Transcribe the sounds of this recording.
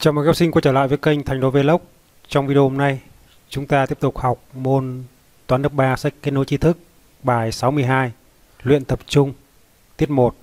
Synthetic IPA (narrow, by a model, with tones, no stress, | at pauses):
t͡ɕɔ˧ŋ͡mm̚˨˩ka˦˥si˧ŋ̟kt͡ɕəː˧˩la̰ː˧˨jvːjkə˧jŋ̟t̪ʰa˧jŋ̟ɗo˨˦ve˧˩lə˦˥wk͡p̚ | t͡ɕɔ˧wŋ͡mvi˧ɗə˧ho˧mna˧j | t͡ɕʊ˨˦ŋ͡mt̪aː˧t̪i˦˥əp̚t̪ʊ˨˩k͡p̚ha˨˩wk͡p̚mo˧n | t̪waː˨˦nləː˦˥p̚ɓaː˧sa˦˥k̚kːe˦˥t̚no˨˦jt͡ɕi˧t̪ʰɨ˦˥k̚ | ɓaː˨˩jsa˨˦wmɨ˧əjɦaː˧j | lwḭ˧˨ənt̪ə˨˩p̚t͡ɕʊ˧ŋ͡m | t̪i˦˥əp̚mo˨˩t̚